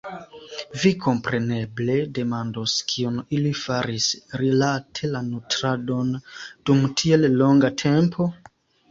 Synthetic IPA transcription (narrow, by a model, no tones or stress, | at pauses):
vikʰo̞mpɾe̞ne̞ble̞de̞mandoskʰionilifaɾisɾilatʰe̞lanutɾado̞nd̥umtʰie̞lːo̞ŋɡatʰe̞mpʰo̞